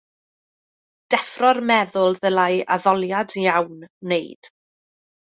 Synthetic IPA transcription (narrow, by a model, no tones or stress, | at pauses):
d̥ɛfrɔrmɛðʊlˠðəlajʔa̰ðɔlˠjadjawnːejd̥